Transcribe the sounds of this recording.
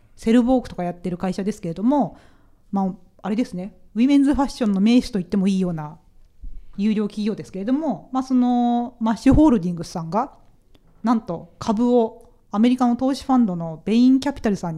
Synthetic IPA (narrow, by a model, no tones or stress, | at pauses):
se̞ɾɯ̟bo̞ːkɯ̟t̪o̞kajat̪ːe̞ɾɯ̟kaiɕad̪e̞sɨ̥kee̞d̪o̞mo̞ | maː | aɾe̞d̪e̞sɨne̞imẽ̞nd͡zzɨɸaɕːõ̞nːo̞me̞ːɕɨ̥t̪o̞it̪ːe̞mo̞iːjo̞ːna | jɯ̟ːɾʲo̞ːkʲiɡʲo̞ːd̪e̞sɨ̥ke̞ɾe̞d̪o̞mo̞maːso̞no̞maɕiɦo̞ːɾɯ̟d̪ʲĩŋɡɯsãŋɡa | nãnt̪o̞kʰabɯ̟o | ame̞ɾʲikano̞t̪o̞ːɕi̥ɸãnd̪o̞no̞b̥ẽ̞ĩŋkʲapʲi̥t̪aɾɯ̟sãɲ̟ː